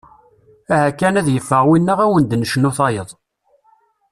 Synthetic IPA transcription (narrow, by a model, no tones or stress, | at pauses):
æhækːænæðjəfːəʁwinːəʁæwənd̪nəʃənuθɑjəðˤ